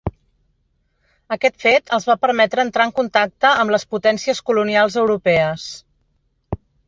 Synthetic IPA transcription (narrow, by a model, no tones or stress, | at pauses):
əkɛt̪fet̪ʰəlˠzβapəɾmɛt̪ɾəːnt̪ɾaəŋkunt̪ak̚t̪əəmləsput̪ɛnsiəskulunialˠzəwɾupɛəs